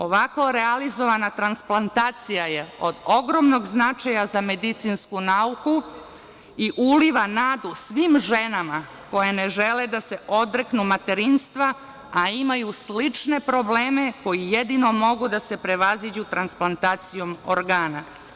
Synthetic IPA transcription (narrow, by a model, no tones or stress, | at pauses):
o̞ʋakoɾealizo̞ʋanat̪ɾansplˠant̪aːt̪sijaje̞o̞d̪o̞ɡɾo̞mno̞ɡznat͡ʃajazame̞d̪it̪sinskunauku | iʔuliʋanaːd̪usʋiːmʒe̞nama | ko̞jene̞ʒe̞led̪ase̞ʔo̞d̪ɾeknumat̪e̞ɾinst̪ʋa | aimajuslit͡ʂne̞pɾo̞ble̞ːme̞ko̞jijed̪ino̞mo̞ɡud̪ase̞pɾe̞ʋazid͡ʑut̪ɾansplˠant̪aːt̪sijo̞moɾɡaːna